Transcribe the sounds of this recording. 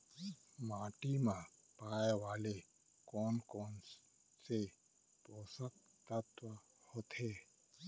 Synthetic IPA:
maːʈimãpaːeʋaːle | kɔːnkɔːn | se | poːsək̚ | t̪ət̪ʋə | hoːt̪ɦeː

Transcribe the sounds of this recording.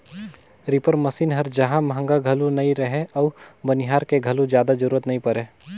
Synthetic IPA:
ɾipəɾməsiːnɦəɾd͡ʒəɦãmɦə̃ŋɡaɡʱɐlunɐĩɾəɦeɔːʊbənɪɦaːɾkeɡʱəlud͡ʒjaːd̪ad͡ʒəɾuːɾət̪nɐɦĩpəɾe

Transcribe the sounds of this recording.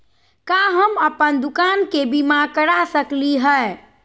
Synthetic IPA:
kaɦəməpənd̪ukankebimakəɾasəkliɦəe

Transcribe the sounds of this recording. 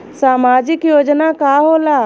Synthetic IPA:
saːmaːd͡ʒɪkjoːd͡ʒnakaːɦoːlaː

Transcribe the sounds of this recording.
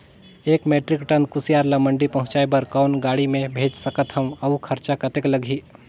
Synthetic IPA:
eːkmeːʈɾɪkʈənkʊsijaːɾlamə̃ɳɖipɐɦʊ̃t͡ʃaebɐɾkɔːnɡaːɽimẽbʱeːd͡ʒsəkət̪ɦɐ̃mɐukʰɐɾt͡ʃakɐt̪eːkləɡʱiː

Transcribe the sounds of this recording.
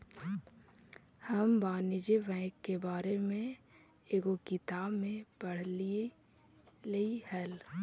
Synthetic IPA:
həmbaːnɪd͡ʒeʋɛ̃ːkːebaːɾemẽ | eːɡokɪt̪aːbmẽpɐɽ̤li | leihɛl

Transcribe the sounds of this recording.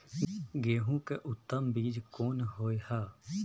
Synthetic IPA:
ɡeːɦũkeʔʊt̪ːəmbiːd͡ʒkoːnɦoːehaː

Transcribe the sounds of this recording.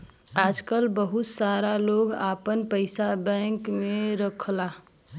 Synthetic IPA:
ad͡ʒkəlbəɦut̪saɾaloɡapənpəɪsabɛ̃ŋkmeɾəkʰla

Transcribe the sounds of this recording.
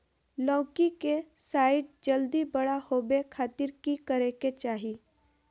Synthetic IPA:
lɔ̃ːkikesaːɪt̪̚d͡ʒəld̪ibəɽahoːbekʰaːt̪ɪɾkikəɾeket͡ʃaːɦi

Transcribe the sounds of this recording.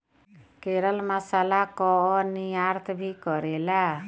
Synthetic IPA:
keɾəlməsalakɔniaɾt̪ʰbʱikɔɾela

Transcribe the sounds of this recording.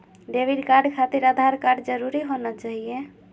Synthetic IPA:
ɖebiɖkaɾɖkʰat̪iɾad̪ʱaɾkaɾɖd͡ʒəɾuɾiɦonət͡ʃaɦijẽ

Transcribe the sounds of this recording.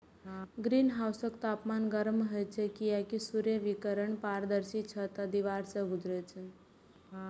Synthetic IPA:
ɡɾinɦawsəkt̪apmanɡəɾmɦəjt͡ʃʰɛkijakisuɾjeʋikəɾəɳpaɾd̪əɾsit͡ʃʰət̪əd̪iʋaɾsəbud͡ʒɾət͡ʃʰə

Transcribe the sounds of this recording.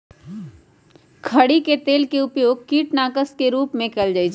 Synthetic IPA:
kʰɐɽiket̪eːlkeʊpjoːɡ̚kiːʈnaːkəskeɾuːpmẽkɛld͡ʒaːid͡ʒ

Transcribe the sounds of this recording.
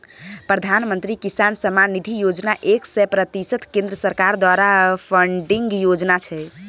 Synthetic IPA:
pɾəd̪ʱanmə̃nt̪ɾikisansəmanid̪ʱijod͡ʒnaʔeksɛpɾət̪isət̪kẽnd̪ɾəsəɾkaɾd̪waɾapʰəɳɖiŋɡjod͡ʒnat͡ʃʰɛ

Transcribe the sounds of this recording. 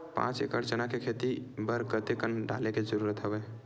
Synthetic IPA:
pã̰t͡ʃḛkəɾd͡ʒənakekʰet̪ibəɾkət̪ekənɖa̰leked͡ʒəɾuɾət̪ɦəbɛ

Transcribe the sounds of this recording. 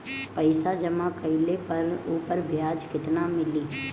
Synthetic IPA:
pəɪsad͡ʒɐmakəɪlepɐɾuːpəɾbjaːd͡ʒkɪt̪namɪliː

